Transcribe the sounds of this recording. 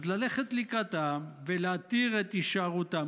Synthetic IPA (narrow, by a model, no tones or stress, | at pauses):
zlaleχet̪likat̪aveleat̪iʁet̪iʃaʁut̪a